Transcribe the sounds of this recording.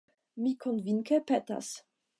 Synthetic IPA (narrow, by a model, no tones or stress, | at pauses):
mikʰonviŋkepeta̰s